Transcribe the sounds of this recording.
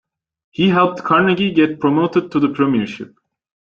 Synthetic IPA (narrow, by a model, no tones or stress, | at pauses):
hiɦɛlˠp̚t̪kʰaɹnɛɡʲiɡɛt̚pʰɹomoʊtɨd̪̚tʰuðəpʰɹɛmiəɹʃɪ̰p̚